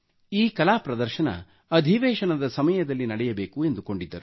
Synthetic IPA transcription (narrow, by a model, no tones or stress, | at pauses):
iːkɐlaːpɾɐd̪ɐɾʃɐnɐ̰ | ɐd̪ʱiʋɛːʃɐnɐd̪ɐsɐmɐjɐd̪ɐlːinɐɽɛjɐbe̞ːkue̞nd̪uko̞ɳɖid̪ːɐɾu